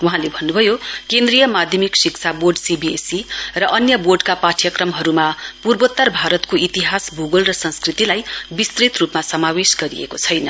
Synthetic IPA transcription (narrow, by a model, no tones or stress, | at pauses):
wuɦãlebʱʌnːubʱʌjokend̪rijʌmad̪ʱjʌmiksikt͡sʰaborɖsibiesirʌʔʌnjʌborɖkapaʈʰjʌkrʌmɦʌɾumapurbot̪ːʌrbʱaɾʌt̪koit̪iɦasbuɡʌlrʌsʌ̃nskrit̪ilajbist̪rit̪rupmasʌmawesɡʌɾiḛkot͡sʰʌjnʌ